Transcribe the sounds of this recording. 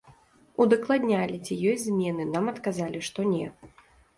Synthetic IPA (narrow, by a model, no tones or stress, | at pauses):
ud̪ɐklˠad̪ʲnʲalʲit͡sʲijɔjʲzʲmʲɛnɨnamɐt̪kazalʲiʂt̪ɔnʲɛ